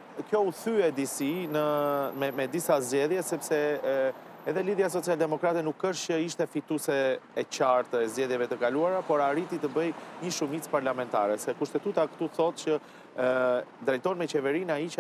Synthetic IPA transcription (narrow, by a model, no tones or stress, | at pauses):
kjɔuθyɛd̪isinəmɛmɛd̪isazd͡ʑɛðjɛsɛpsɛ | ɛðɛliðjas̬ɔt͡siald̪ɛmɔkɾat̪ɛnukːəʃt͡ʃəiʃt̪ɛfit̪usɛːt͡ɕaɾt̪əɛzd͡ʒɛðjɛvɛt̪əkaluaɾapɔɾaɾit̪it̪əbəjɲəʃumit͡spaɾlamɛnt̪a̰ɾɛsɛkuʃt̪ɛt̪ut̪akə̥t̪uθɔt̪̚t͡ɕə | d̪ɾɛjt̪ɔnmɛt͡ɕɛvɛɾinait͡ʃ